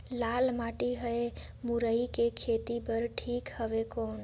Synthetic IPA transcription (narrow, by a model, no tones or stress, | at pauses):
lalmaʈiɦəe | muɾəikekʰet̪ipəɾʈʰiːkhəʋekoːn